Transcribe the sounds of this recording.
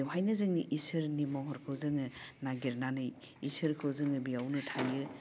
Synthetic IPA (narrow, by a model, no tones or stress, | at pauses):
wɦajnɯzɯŋʔisɯɾnimɔɦɔɾkʰɯwzɯŋɯnaɡiɾnanɯj | isɯɾkʰɯwzɯŋɯbijawnɯtʰajɯ